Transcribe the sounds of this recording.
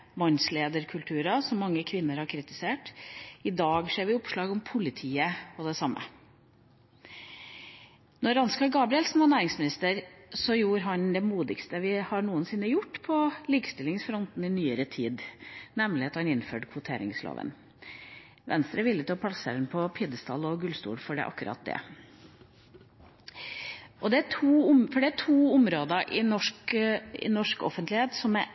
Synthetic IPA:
mɑnsleːd̪əɾkʰʉlt̪ʰʉːɾɑsɔmːɑŋːəkʰʋɪnːəɾhɑɾkʰɾɪt̪ɪseːʈɪd̪ɑːɡʂeːɾʋɪʊpʂlɑːɡɔmpʰʊlɪt̪ʰiːəɔd̪ɛsɑmːə̰ | nɔɾɑnskɑlɡɑːbɾɪɛlsn̩ʋɑnæːɾɪŋsmɪnɪst̪əɾsɔjuːɾɦɑnd̪ɛmuːd̪ɪkst̪əʋɪhɑɳuːənsɪnːəjʊʈːpʰɔliːkə̥st̪ɪlːɪŋsfɾɔnt̪n̩ɪnyːəɾət̪ʰiːd̪nɛmlɪɑt̪hɑnɪnːfø̰ːɖkʰʋʊt̪ʰeːɾɪ̰ŋslo̰ːʋə̰n | ʋɛ̰nst̪ɾəʋɪlːət̪ɪɔpʰɑlɑsə̰ɾənpʰɔpʰɪd̪əst̪ʰɑ̰lɔɡʉlst̪ṵːɽfɔɖɛ̰ʔɑ̰kːʉɾɑ̰t̪̚d̪ɛ̰ | ʔɔd̪ɛætʰuːʊmfɔɖɛæʈʰuːʊmɾoːd̪əʔɪnɔʂkɪ̰nɔʂkɔ̰fənt̪lɪheːt̪sɔmɛ

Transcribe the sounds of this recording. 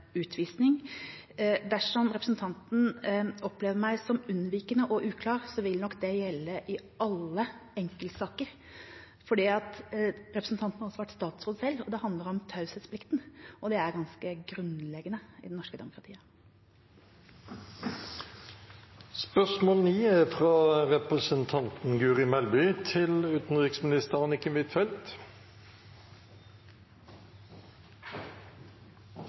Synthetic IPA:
ʉːt̪ʰʋiːsnɪŋ | d̪æʂɔmɾɛpɾəsn̩t̪ʰɑnt̪n̩ɔpleːʋəɾmæɪsɔmʉnʋiːkənəʔɔʔʉːkʰlɑːɾsɔʋɪlnɔkːd̪ɛjɛlːəʔɪʔɑlːəɛŋkəlt̪sɑːkəɾ | fɔɖiːɑt̪ɾɛpɾəsn̩t̪ʰɑnt̪nhɑɾɔsɔʋæʈːst̪ɑːt̪sɾuːd̪əsɛlːɔd̪ɛhɑnd̪ləɾɔmt̪ʰɑʉsət̪splɪkt̪nʔɔd̪ɛæɾɡɑnskəɡɾʉnlɛɡənəɪ̰d̪ɛnnɔʂkəd̪ɛmʊkɾɑt̪ʰḭːə | spœsmoːlniːɛfʁɑːʁɛpəsənt̪ʰɑnt̪n̩ɡʉːʁɪmɛlbʏt̪ʰɪlʉːt̪n̩ʁɪksmɪnɪst̪əʁɑnɪkɪnʋɪt̪fɛlt̪

